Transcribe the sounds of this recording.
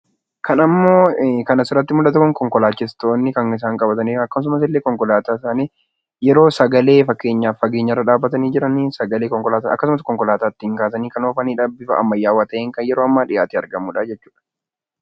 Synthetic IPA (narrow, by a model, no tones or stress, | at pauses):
kʰɐnɐmːo̞ːkɐnɐsɪɾɐt̪ːɪmʊlɐt̪ɐkʊŋkɔŋkɔlaːt͡ʃːɪst̪o̞ːnːɪkɐŋɪs̬aːŋkʼɐbɐt̪ɐniːɐkːɐs̬ʊmɐsɪlːeːkɔŋkɔlaːt̪aːsaːneː | jɛɾo̞ːsɐɡɐle̞ːfɐkːe̞ːɲːaːfɐɡe̞ːɲːɐrːɐᶑaːbːɐt̪ɐniːd͡ʒɪɾɐniːsɐɡɐleːkɔŋkɔlaːt̪ɐ̰kːɐsʊmɐskɔŋkɔlaːt̪aːt̪ːɪɪŋkaːs̬ɐniːkɐnoːfɐniːᶑɐbɪfɐ̰ʔɐ̰mːɐjːaːwaːt̪ɐʔeːŋkɐnjɛɾo̞ːɐmːaːᶑɪja̰ːt̪iːɐɾɡɐmuːᶑaːd͡ʒɛt͡ʃːu̥ːᶑɐ̥